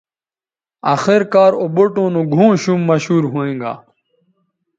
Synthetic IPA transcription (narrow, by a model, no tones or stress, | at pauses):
aːxeɾkaːɾoboʈõːnũːɡʱũːɕuːmːɐɕɦuːɾɦuẽːŋɡa̰ː